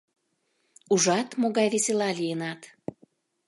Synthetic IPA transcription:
uʒɑt̪moɣɑjβeselɑlʲijənɑt̪

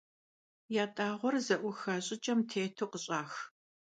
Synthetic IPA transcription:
jaːtʼaːʁʷɔrzɐʔʷʊxɐɕʼɪt͡ʃʼɐmtʰeːtʰuqəɕʼaːx

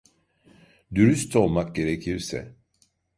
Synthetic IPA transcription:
d̪yɾyst̪ʰo̞lˠmak̚ɟe̞ɾecʰiɾsɛ̰

